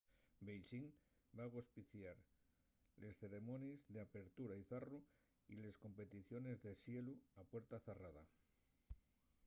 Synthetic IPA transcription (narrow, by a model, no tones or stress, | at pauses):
bejʃiŋ | baɣospiθjaɾ | le̞sθe̞ɾe̞mõ̞nezðeape̞ɾt̪uɾaiθaru | ḭle̞sko̞mpe̞t̪iθjo̞ne̞zðe̞sje̞luapwe̞ɾt̪aθerað̞a